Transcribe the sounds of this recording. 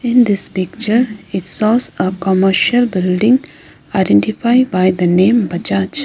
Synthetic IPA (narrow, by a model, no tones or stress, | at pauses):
ɪ̃nd̪ɪspɪk̚t͡ʃəɾɪʈsɔːzəkɔməɾʃəlbɪlɖɪ̃ŋ | aɪɖɛ̃ɳʈifaɪbaɪd̪ənẽːmbɐt͡ʃaːt͡ʃ